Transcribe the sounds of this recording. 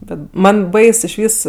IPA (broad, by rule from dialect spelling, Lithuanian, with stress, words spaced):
ˈbʲɛt ˈmɐnʲ ˈbɐɪs ɪʃʲˈʋʲiːs